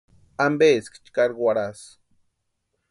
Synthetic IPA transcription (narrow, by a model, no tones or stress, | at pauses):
ambeskt͡ʃkaɾɡwaɽas